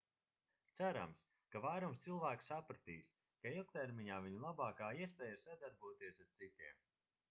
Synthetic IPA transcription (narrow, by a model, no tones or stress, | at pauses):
t̪saɾa̰ms | kavajɾumst̪silˠvæːksapɾat̪iːs | kailˠk̚t̪ɛɾmʲiɲaːviɲulˠabaːkaːiɛspʲɛːjasad̪aɾbuːt̪iɛsaɾt̪sit̪iɛm